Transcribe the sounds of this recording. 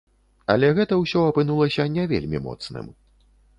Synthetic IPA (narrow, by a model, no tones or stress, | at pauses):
ɐ̰lʲɛɣɛt̪ɐwsʲɔɐpɨnulˠɐsʲɐnʲɛvʲḛlʲmʲḭmɔ̰t̪snɨ̰m